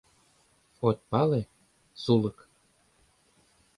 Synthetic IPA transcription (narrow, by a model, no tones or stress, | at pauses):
xot̪̚ʲpɑle | sulɤ̆k